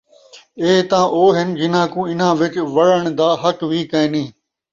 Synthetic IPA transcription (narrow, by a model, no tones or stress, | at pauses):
eːt̪ãːʔoːɦɪnd͡ʒɪn̤ãːkũːɪn̤ãːʋɪt͡ʃʋɐɽəɽ̃d̪aːɦɐkʋiːkəẽːnĩː